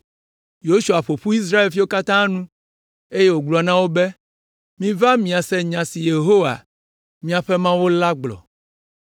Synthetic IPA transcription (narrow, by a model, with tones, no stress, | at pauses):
jo˦ʃu˨a˨ɸo˨ɸu˦i˦s̬ɾa˦e˨lfi˦wo˦ka˦t̪ã˦nũ˦ | e˦je˦wo˨ɡ͡bla˨nã˦wo˦bɛ˦ | mĩ˦va˦mĩ˨a˨sɛ˦ɲã˨si˨je˨ɦo˦wa̰˨ | mĩ˦a˨ɸɛ˦mã˦wo˦la˦ɡ͡blɔ̰˨